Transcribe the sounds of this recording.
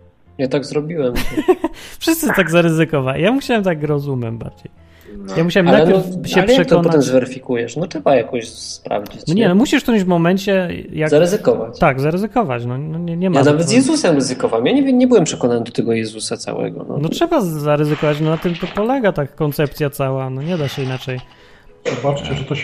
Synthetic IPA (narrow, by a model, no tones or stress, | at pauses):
jat̪aɡzɾɔbʲiwɛm | fʂɨst̪sɨt̪aɡzaɾɘzɘkɔvaḭjamuɕawɛmt̪aɡɾɔzumʲɛ̰mba̰ɾd͡ʑej | jamuɕawɛmnalɛɕɛlɛjʂaɛkt̪ɔɔnpɔɛmzvɛɾɘfʲikujɛʂnɔtɛbajakɔɕspɾa̰vd͡ʑiɔɲɛnɔmuɕiʂt̪ɨmvmɔmɛɲʲt͡ɕɛjazaɾɛzɨkɔvat͡ɕt̪aɡzaɾɛzɘkɔva̰t͡ɕnɔnɔɲɛɲɛmanavɛt̪zjɛzusɛmɾɛzɨkɔvamjaɲɛvɲɛbɨwɛmpʂɛkɔnanɘd̪ɔt̪ɛɡɔjɛzusat̪sa̰wɛ̰ɡɔ̰nɔ̰nɔtʂɛbazaɾɛzɘkɔvat͡ɕnɔnat̪ɘmt̪ɔpɔlɛɡat̪akkːɔnt̪sɛp̚t̪sʲjat̪sawanɔɲɛd̪aɕɛinat͡ʂɛj | zɔbat͡ʂt͡ɕɛʐɛt̪ɔɕ